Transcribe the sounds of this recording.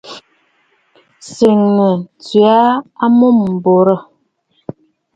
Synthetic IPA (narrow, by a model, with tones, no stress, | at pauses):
se˨ŋnu˨t͡sɥa˦a˦mo˦˨m̩ː˨bo˨ɾə˦˨